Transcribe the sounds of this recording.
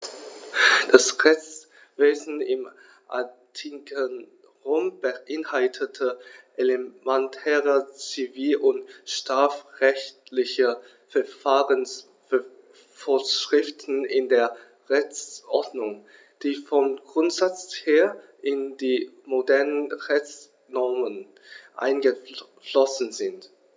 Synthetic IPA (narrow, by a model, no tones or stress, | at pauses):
d̥asʁɛçt͡s | v̥eːzn̩ɪm | ʔa̰tʰikʰən | ʁoːmb̥əʔɪnhaltʰətʰəʔelemɛntʰɛːʁət͡siviːlʔʊntʃtʁ̥aːfʁɛçtlɪçə | fɛɐfaːʁəns | f | foɐʃʁ̥ɪftn̩ɪndeːɐ | ʁɛçt͡sʔɔɐdnʊŋ | d̥iːfɔmɡ̥ʁʊntz̥at͡sheːɐʔɪndiːmodɛɐnənʁɛçt͡s | nɔɐmən | ʔa̰ɪnɡəflɔsn̩zɪnt